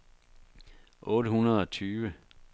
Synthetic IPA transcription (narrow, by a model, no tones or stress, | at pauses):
ʔɔ̽ːɾəɦhunɐðˠɒ̽t͡sʰyːʋə